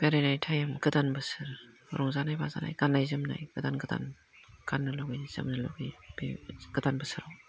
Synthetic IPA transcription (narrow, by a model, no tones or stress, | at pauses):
b̥eɾenajtʰajamɡɯdanbɯsɯɾ | ɾɔŋzanajbaza̰na̰jɡ̥anːajzɯmna̰jɡɯdanɡɯda̰n | ɡ̥anːɯlɔɡijz̥ɯ̰mnɯlɔ̰ɡijbeɡ̥ɯdanbɯsɯɾaw